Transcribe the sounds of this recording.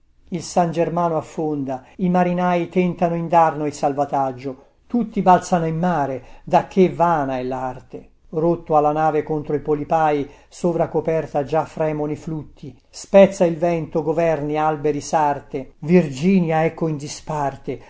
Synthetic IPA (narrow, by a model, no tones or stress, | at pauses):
ilsand͡ʒermaːnoafːond̪aimaɾinaːjit̪ɛnt̪anoind̪arnoilsalvat̪ad͡ʒːo | t̪ut̪ːibalt̪sanoinːaːɾed̪ak̟ːevaːnaɛlːart̪e | rot̪ːoalːanaːvekont̪ɾoipolipaːji | soːvɾakopɛrt̪ad͡ʒafːɾɛːmonoiflut̪ʰːi | spɛt̪sːailvɛnt̪oɡovɛrnialbeɾisart̪evird͡ʒiːnjaɛkːoind̪ispart̪e